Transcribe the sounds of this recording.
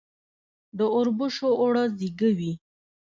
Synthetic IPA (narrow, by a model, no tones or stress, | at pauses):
d̪əʊɾbuʃoʔːɽaziɡəwi